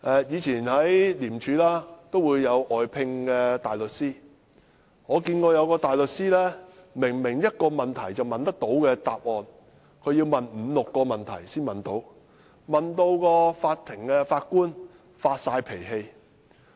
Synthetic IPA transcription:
ʔɛː˨˧jiː˨˧t͡sʰiː˨˩nhɐ˨˥jliː˨˩mt͡ʃʰyː˨˧˥laː˥t̪o˥wuː˨˧jːɐ˨˧wʔɔː˨jpʰɪ˧ŋkɛː˧t̪aː˨jlɵ˨t̚siː˥ | ŋɔː˨˧kiː˧nkɔː˧jɐ˨˧wkɔː˧t̪aː˨jlɵ˨t̚siː˥lɛː˥mɪ˨˩ŋmɪ˨˩ŋjɐ˥t̚kɔː˧mɐ˨nt̪ʰɐ˨˩jt͡sɐ˨wmɐ˨nt̪ɐ˥k̚t̪o˨˥wkɛː˧t̪aː˨p̚ɔː˨n | kʰɵ˨˧ɥjiː˧wmɐ˨nm̩ː˨˧lʊ˨kːɔː˧mɐ˨nt̪ʰɐ̰˨˩jsiː˥nmɐ˨nt̪o˨˥w | mɐ˨nt̪o˧wkɔː˧faː˧t̚t̪ʰːɪ˨˩ŋkɛː˧faː˧t̚kuː˥n | faː˧t̚saː˧jpʰe˨˩jɦe˧j

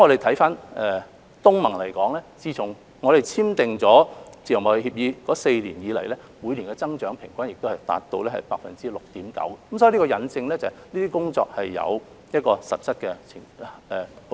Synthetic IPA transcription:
mŋɔː˨˧d̪e˨jt̪ʰɐ˨˥jfaː˥nɛː˨˩ | t̪ʊ˥ŋmɐ˨˩ŋlɐ˨˩jkɔː˨˥ŋlɛː˥t͡siː˧t͡sʰʊ˨˩ŋ | ŋɔː˨˧ɾe˨jt͡sʰiː˥mt̪ɪ˨ŋt͡sɔː˨˥t͡siː˨˩jɐ˨˩ŋɔː˨˧e˨˩hiː˧p̚jiː˧kɔː˨˥se˧jlḭː˨˩njiː˨˧lɐ̰˨˩jlɛː˥ | mu˨˧jliː˨˩nkɛ˧t͡sɐ˥ŋt͡ʃœː˨˥ŋpʰɪ˨˩ŋkʷaː˥njɪ˨k̚t̪o˥whɐ˨jt̪a̰ː˧t̚t̪ːo˧wlɛː˥hɐ˨˩jpaː˧k̚fɐ˨nt͡siː˥lʊ˨k̚t̪iː˨˥mkɐ̰˨˥wkɛ˧kmsɔː˧˥i˧li˥ɔ˧jɐ˨˧nt͡sɪ˧ŋlɛː˥t͡sɐ˨jniː˥t̪iː˥kʊ˥ŋt͡sɔ̰ː˧k̚hɐ˨jːɐ̰˨˧w | jɐ˥t̚kɔː˧sɐ˨p̚t͡sʰɐ˥t̚kɛ˧t͡sʰɪ˨˩ŋɛ˨˩

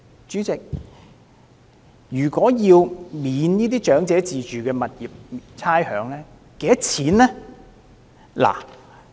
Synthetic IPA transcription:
t͡ʃyː˨˥t͡sɪ˨k̚ | jyː˨˩kwɔː˨˥jiː˧wmiː˨˧˥niː˥t̪̬iː˥t͡ʃœː˨˥ŋt͡sɛː˨˥t͡siː˨t͡ʃyː˨kɛː˧mɐ˨t̚jiː˨p̚t͡sʰaː˥jhœː˨˥ŋlɛː˥ | ke˨˧jɐ˥t͡sʰiː˨˥nlɛː˥ | la̰ː˨˩

